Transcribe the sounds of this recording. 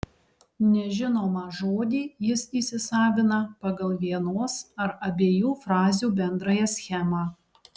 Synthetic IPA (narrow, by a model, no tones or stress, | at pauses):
nʲɛʒʲɪnoːmɑʒoːd̪ʲiːjɪsiːsʲɪsɑːʋʲɪnɐpɐɡɐlˠʋʲiɛnoːsɐɾɐbʲeːjuːfɾɑːzʲuːbʲɛnd̪ɾɑjɛsʲxʲɛmɑː